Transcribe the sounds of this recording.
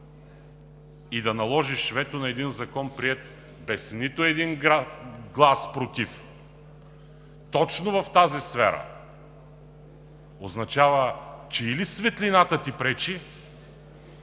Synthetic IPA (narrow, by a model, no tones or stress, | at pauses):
id̪ɐnɐlˠɔʒiʃvɛt̪onɐɛd̪inzɐkɔnpɾiɛt̪ | bɛsnit̪ʊɛd̪in | ɡlˠaspɾot̪if | t̪ɔt͡ʃnovɐft̪azisfɛ̰ɾə̰ | oznɐt͡ʃavət͡ʃɛilisvɛt̪linat̪ət̪ipɾɛt͡ʃi